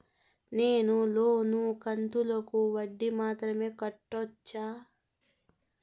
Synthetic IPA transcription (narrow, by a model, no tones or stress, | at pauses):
neːnuloːnukɐnt̪ulɐkuʋɐɖːimaːt̪ɾɐme̞ːkɐʈːot͡ʃːaː